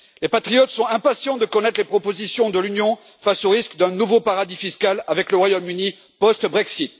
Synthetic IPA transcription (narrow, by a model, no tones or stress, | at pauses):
lepat̪χijɔt̪sɔ̃ɛ̃pasjɑ̃d̪əkɔnɛt̪χəlepχɔpozisjɔ̃d̪əlynjɔ̃ | fasoʁiskd̪ɛ̃nuvopaʁad̪ifiskalavɛkləʁwajomyni | pɔst̪bʁɛksit̪̚